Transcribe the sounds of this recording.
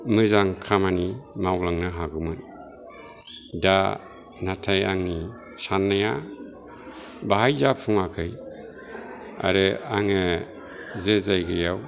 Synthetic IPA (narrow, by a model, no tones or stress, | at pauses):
mɯzaŋkʰamanimawlaŋnɯɦaɡɯmɯn | da | natʰajaŋni | sanːaja | baɦajzapʰuŋakʰɯj | a̰ɾɯa̰ŋɯ | zezajɡɯjaw